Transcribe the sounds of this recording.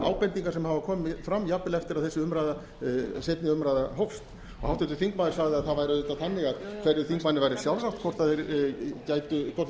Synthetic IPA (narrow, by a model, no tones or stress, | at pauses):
a̰ːwpɛnt̪iŋkaɾsɛmhavakʰɔːmfɾamːjapːɪlɛft̪ɪɾaðθɛsːɪʏmɾajða | sejt̪nɪʏmɾajðaɦowfst̪ | ɔhawht̪ɛnt̪ʏθiŋkmaːðɪɾ̥saɣðɪaðθaðvajɾɪðʏt̪aθanːɪɣaðkʰvɛɾðɪθiŋkmanːɪvajɾɪsjawlsaxt̪kʰvɔr̥t̪aðɪɾcaːjt̪ʏkʰɔt̪l